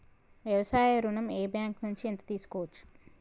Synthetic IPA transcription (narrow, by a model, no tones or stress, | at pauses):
ʋjɐʋɐsaːjɐɾunɐmeːbjaːŋknuɲt͡ʃient̪ɐ̥t̪iːsu̥koːʋɐt͡ʃːu̥